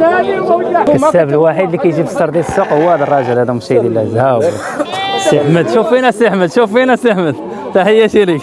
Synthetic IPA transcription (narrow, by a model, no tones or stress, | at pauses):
ət̪æbəlwaħid̪likæjʒibə̥sːɑɾˤd̪iəsːuqhʊwːæhæd̪ərˤːɑʒəlhæd̪æmʊʃæjd̪ælːæzhæw | səħməd̪ʃufinæsəħmət̪ʃufinæsəħməd̪ | t̪æhəjːæʃiɾik